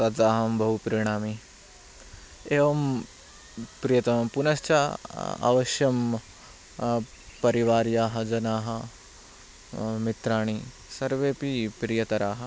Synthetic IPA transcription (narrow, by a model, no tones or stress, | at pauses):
ɐd͡zaːɦɐmbʱɐɦupɾiɳ̃aːmi | eːʋɐm | pɾijɐt̪ɐmpunɐst͡ʃaa̰ʋɐʃjɐm | pɐɾiʋaːɾjaːɦɐd͡ʒɐnaːɦɐ | mit̪ɾaːɳ̃i | sɐɾʋeːpipɾijɐt̪ɐɾaːɦɐ̆